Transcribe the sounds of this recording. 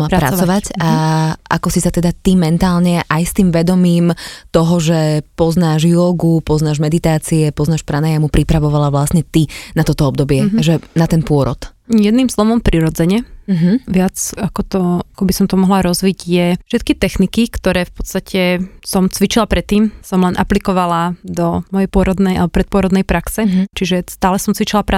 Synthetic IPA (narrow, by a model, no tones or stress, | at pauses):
pɾapɾat͡sɔʋacaʔa̰kɔsisat̪ɛd̪at̪imɛnt̪aːlɲɛʔajst̪iːmʋɛd̪ɔmiːmt̪ɔɦɔʒɛpɔznaːʒjɔɡupɔznaːʒmɛd̪it̪aːt͡siɛpɔznaːʃpɾanajamupɾipɾaʋɔʋalaʋlasɲɛt̪inat̪ɔt̪ɔɔb̚d̪ɔbɪɛʒɛnat̪ɛnpʊɔɾɔ̰t̪jɛd̪niːmslɔʋɔmpɾiɾɔd͡zɛɲɛɦʋɪat͡sakɔt̪ɔakɔbisɔmt̪ɔmɔɦlaɾɔzʋiɟjɛfʃɛt̪̚kit̪ɛxnikikt̪ɔɾɛːfpɔt̪st̪acɛsɔmt͡sʋit͡ʃilapɾɛt̪ːiːmsɔmlɛnʔaplikɔʋalad̪ɔmɔjɛjpʊɔɾɔd̪nɛjalɛbɔpɾɛt̪̚pʊɔɾɔd̪nɛjpɾaksɛt͡ʃiʒɛst̪aːlɛsɔmt͡sʋit͡ʃilapɾa